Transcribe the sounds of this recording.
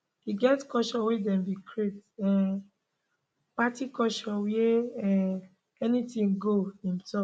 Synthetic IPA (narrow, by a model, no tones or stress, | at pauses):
hiɡɛtkɔʃɔ̃wedɛ̃mbikɹetɛ̃ | patikɔʃɔ̃weɛ | ɛnitĩŋɡoĩmsɔ